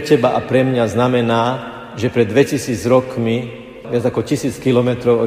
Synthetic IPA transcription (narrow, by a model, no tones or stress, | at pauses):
cɛbaʔapɾɛmɲaznamɛnaː | ʒɛpɾɛd̪ːʋɛcisiːd͡zɾɔkmi | ʋɪad͡zakɔcisiːt͡skilɔmɛt̪ɾɔʊɔ